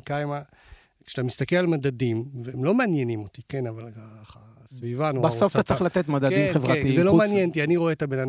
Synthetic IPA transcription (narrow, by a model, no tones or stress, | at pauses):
kajma | kʃe̥at̪amist̪akelalmadadimveemlo̞meanjenimo̞t̪ikenavalkaχa | svivanubasofsat͡slat̪et̪mad̪ak̪imevʁat̪izelo̞meanjent̪ianiʁo̞eːt̪abenan